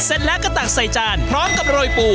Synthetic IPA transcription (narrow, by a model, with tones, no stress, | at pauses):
se˨˩t̪̚lɛ˦˥ka˧t̪a˨˩k̚sa˨˩jt͡ɕaː˧npʰɾɔː˦˥mka˨˩p̚ɾoː˧jpuː˨˩